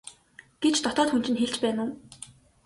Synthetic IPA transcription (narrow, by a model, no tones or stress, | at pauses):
ɡ̥et͡ɕt̪ɔt̪ɔːt̪xun̥t͡ɕɪ̆nxeɮt͡ɕpæːnʊː